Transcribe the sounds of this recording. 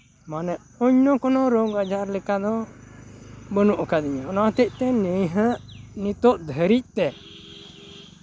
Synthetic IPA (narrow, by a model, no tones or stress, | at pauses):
manɛʔ | ɔɲnɔkɔnɔɾɔɡad͡ʒaɾlɛkad̪ɔ | bənuʔkad̪iɲaɔnaʔat̪ɛcʔ̚t̪ɛnəjɦə̃ʔnit̪ɔʔd̪ʱəɾic̚t̪ɛ